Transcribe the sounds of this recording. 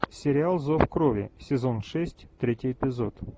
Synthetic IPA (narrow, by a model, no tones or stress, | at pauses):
sʲɪɾʲɪalˠzofkɾovʲɪ̰sʲɪzo̞nʂɛsʲtʲt̪ɾʲetʲɪjɪpʲɪzo̞t̪